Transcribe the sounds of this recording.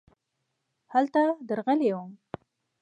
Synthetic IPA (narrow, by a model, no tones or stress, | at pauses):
halt̪ad̪əɾɣəlewəm